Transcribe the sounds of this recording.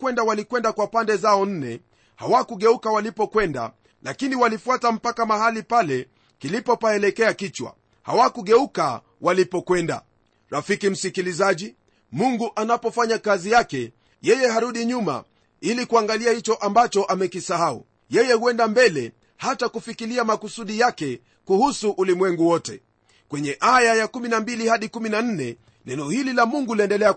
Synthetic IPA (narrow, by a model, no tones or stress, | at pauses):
kwɛndawalikwɛndakwapandɛzaɔn̩nɛ | ha̰wakuɠɛukawalipɔkwɛnda̰ | lakiniwalifuatam̩pakamahalipalɛ | kilipɔpaɛlɛkɛakit͡ʃwa̰ | ha̰wakuɡɛuka | walipɔkwɛnda̰ | ɾafikim̩sikilizaʄi | muŋɡuʔanapɔfaɲakazijakɛ | jɛjɛɦaɾuɗiɲuma̰ | ilikuaŋɡaliahit͡ʃɔʔambat͡ʃɔʔamɛkisahaṵ | jɛjɛhuɛndambɛlɛ | hatakufikiliamakusuɗijakɛ | kuhusuʔulimwɛŋɡuwɔtɛ | kwɛɲɛʔajajakuminambilihaɗikuminan̩nɛ | nɛnɔhililamuŋɡuliɛndɛlɛa